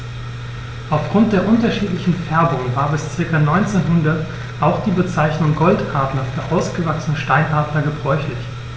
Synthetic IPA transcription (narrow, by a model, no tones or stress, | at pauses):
ʔaʊfɡ̥ʁʊnt̚d̥eːɐʔʊntɐʃiːtlɪçn̩fɛɐbʊŋvaːɐbɪst͡sɪɐkɐnɔʏnt͡seːnɦʊndɐt | ʔaʊxd̥iːbət͡saɪçnʊŋɡɔltʔaɐtnɐfyːɐʔaʊsɡ̥əvaksənəʃtaɪnhaɐtnɐɡəbʁɔʏçlɪç